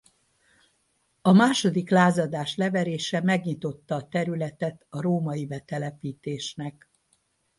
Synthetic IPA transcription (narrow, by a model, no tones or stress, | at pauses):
ɒmaːʃo̞d̪iklaːzɒd̪aːʃlɛvɛɾeːʃɛmɛɡɲit̪o̞t̪ːɒːt̪ɛɾylɛt̪ɛt̪ɒɾoːmɒjibɛt̪ɛlɛpiːt̪eːʃnɛk